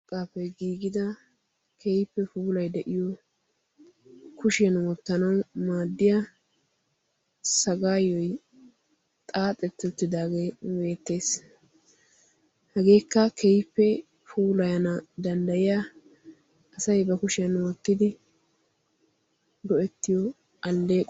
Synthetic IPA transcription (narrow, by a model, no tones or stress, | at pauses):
kʼaːpːɛjɡiːɡɪd̪ɐ | kʰɛjpːɛfuːlɐjd̪ɛʔɪjɔ | kʊʃɪjɐnwɔt̪ːɐnɐwmaːd̪ːɪja | sɐɡaːjɔj | t̪ʼaːt̪ʼɛt̪ːʊt̪ːɪd̪aːɡejbe̞ːt̪ːe̞ːs | hɐɡe̞ːkːɐkʰɛjpːɛ | fuːlɐjɐnɐd̪ɐnd̪ɐjɪjaː | ɐsɐjbɐkʊʃɪjɐnwɔt̪ːɪd̪ɪ | ɡɔʔɛt̪ːɪjɔ | ɐlːe̞ːkʼ